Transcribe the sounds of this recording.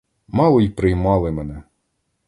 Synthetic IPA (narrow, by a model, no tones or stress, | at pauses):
mɑlˠɔipɾɪjmɑlˠɪmɛnɛ